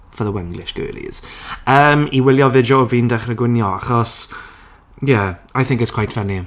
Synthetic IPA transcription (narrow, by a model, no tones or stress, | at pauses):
fəðəwɛŋɡlɪ̰ʃɡ̥ɜ̰ːlḭz̥əːmiwɪlˠjɔvɪd͡ʒoːviːndɛχrəɡwɪnjɔaχɔs | jɛajθɪ̃ŋkɪtskʰw̥ajtfɛni